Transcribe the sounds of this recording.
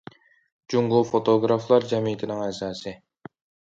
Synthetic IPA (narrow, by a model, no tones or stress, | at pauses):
d͡ʒuŋɡufot̪ʰoɡɾɑflˠɑɾd͡ʒɛmijt̪ʰɪnɪŋɛsɑːsɨ